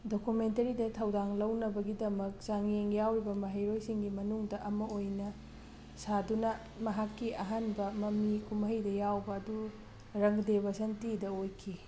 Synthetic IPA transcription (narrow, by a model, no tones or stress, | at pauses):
dokumentɐɾidɐtʰɐwdaŋlɐwnɐbɐɡidɐmɐk̚zaŋjeŋjawɾibɐmɐɦɐjɾojsiŋɡimɐnuŋdɐʔɐmɐojnɐ | sadunɐ | mɐɦakːiʔɐɦanbɐmɐmikumɦɐjdɐjawbɐːdu | ɾɐŋdeβɐsɐntidɐojkʰi